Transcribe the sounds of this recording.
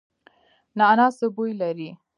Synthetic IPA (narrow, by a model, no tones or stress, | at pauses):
nɑnɑsəbojlaɾi